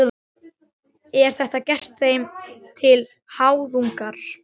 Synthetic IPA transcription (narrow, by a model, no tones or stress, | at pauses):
ɛɾ̥θɛht̪acɛr̥t̪θejmt̪ʰɪl | haːwðuŋkaɾ̥